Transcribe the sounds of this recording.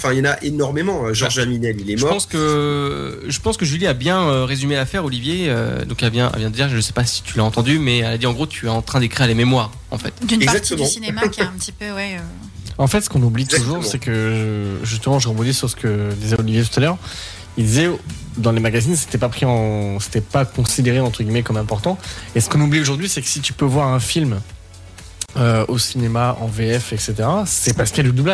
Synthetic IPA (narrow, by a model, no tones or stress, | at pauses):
ɑ̃fɛ̃jɑnaʔenɔʁmemɑ̃øʒɔʁʒaminɛlilɛʒəmɔpɑ̃skə | ʒəpɑ̃skəʒyliabjɛ̃øʁezymelafɛʁɔlivjeø̰d̪ɔ̃kavjɛ̃a̰vjɛ̃d̪əd̪iʁʒəsɛ̥pasi̥t̪ʰylaɑ̃t̪ɑ̃d̪ymɛalad̪iɑ̃ɡʁot̪ʰyɛɑ̃t̪χɛ̃d̪ekχiʁlememwaːʁ | ɑ̰̃fɛ̰t̪d̪ynɛɡpazak̚t̪əmɑ̃sinemaɛ̃pt̪ipøwɛø | ɑ̃fɛt̪sə̥kɔ̃nublit̪uʒuʁsɛkəʒəʒys̬t̪əmɑ̃ʒəʁəbɔ̃d̪isyʁsə̥kəd̪izɛolivjet̪u̥t̪alœʁ | ild̪izɛ | d̪ɑ̃lemaɡazins̬e̥t̪ɛpapχiɑ̃se̥t̪ɛpakɔ̃sid̪eʁeɑ̃t̪χəɡʲimɛkɔmɛ̃pɔʁt̪ɑ̃esə̥kɔ̃nublioʒuʁd̪ɥisɛkə̥sit̪y̥pøvwaʁɛ̃film | øosinemaʔɑ̰̃veɛfɛkset̪eʁasɛpaskalud̪ubla